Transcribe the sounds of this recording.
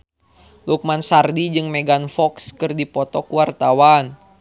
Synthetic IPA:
luk̚mansardid͡ʒɨŋmɛɡanfɔkskɨrdipɔt̪ɔkuwart̪awan

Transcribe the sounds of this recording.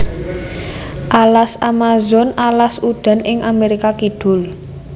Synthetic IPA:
ʔalasamazɔnalasud̪̥a̤nɪŋameɾikakid̪̥ʊ̤l

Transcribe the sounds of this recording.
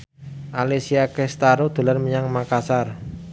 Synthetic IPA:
ʔalesiakɛst̪aɾod̪̥o̤larməɲaŋmakasar

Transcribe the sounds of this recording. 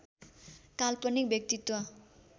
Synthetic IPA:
kalpʌnik̚bjʌk̚t̪it̪wʌ

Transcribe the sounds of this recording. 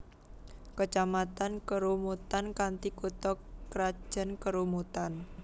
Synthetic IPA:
kət͡ʃamat̪ankəɾumut̪ankant̪ikut̪ɔkɾad̥ʒ̥ə̤nkəɾumut̪an

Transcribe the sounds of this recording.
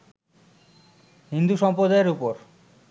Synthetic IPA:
ɦind̪uʃɔmpɾod̪aeɾupoɾ

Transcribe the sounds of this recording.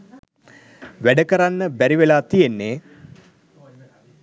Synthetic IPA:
ʋæɖəkəɾanːəbæɾiʋelaːt̪ijenːeː

